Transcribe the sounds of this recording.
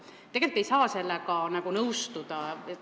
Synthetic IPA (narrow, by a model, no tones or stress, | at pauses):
t̪ːeɡe̞lit̪ːˑe̞jsɑːse̞lːekɑnɑɡ̥unɤwst̪ud̪̥ɑe